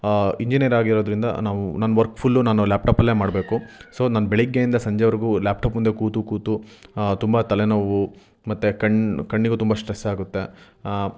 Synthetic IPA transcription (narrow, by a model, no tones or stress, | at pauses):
iɲd͡ʒinijɐɾaːɡiɾoːd̪ɐɾind̪ɐ̰naːʋunaːnːɐʋɐɾkpʰulːunaːnulaːp̚ʈaːpɐlːeːmaːɽbe̞ːkuso̞ːnɐnːɐbeɭiɡːejind̪ɐsɐɲd͡ʒɐʋɐɾiɡulaːp̚ʈaːpmund̪ekuːt̪ukuːt̪ut̪umbɐt̪ɐlenɐʋu | mɐt̪ːekɐɳkɐɳːiɡut̪umbɐsʈɾesaːɡut̪ːe̞